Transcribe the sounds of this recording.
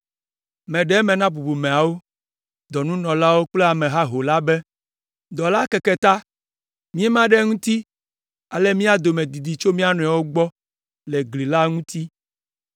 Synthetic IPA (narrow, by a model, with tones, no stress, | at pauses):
mɛ̃˨ɖɛ˦mɛ̃˨nã˦bu˨bu˨mẽ˨a˨wo˦ | d̪ɔ˨nũ˦nɔ̃˨la˦wo˦k͡plɛ˦a˨mɛ̃˨ɦa˦ɦo˨la˦bɛ˦ | d̪ɔ˨la˦kɛ˨kɛ˨t̪a˦ | mĩ˦ɛ˦mã˦ɖɛ˦ŋũ˦t̪i˦ | a˨lɛ˦mĩ˦a˦d̪o˨mẽ˨d̪i˨d̪i˨t͡ʃo˦mĩ˦a˦nɔ̃˨a˨wo˦ɡ͡bɔ˦ | lɛ˨ɡli˨la˦ŋũ˦t̪i˦